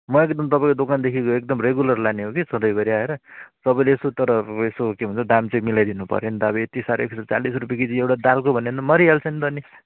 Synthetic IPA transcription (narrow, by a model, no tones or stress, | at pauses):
mʌekd̪ʌmt̪ʌpaĩkod̪okand̪ekʰikoek̚d̪ʌmreɡulʌrlaneɦokisʌd̪ʌjbʌɾiaeɾʌsʌbʌjleesot̪ʌɾʌesokebʱunt͡sʰʌd̪amt͡sʌĩmilajd̪inupʌ̰ɾjond̪aːbiet̪isaɾḛekʰsat͡salisrupjakiĩewʈad̪alkobʱʌnent̪ʌmʌɾiɦalt͡sʰʌnt̪ʌni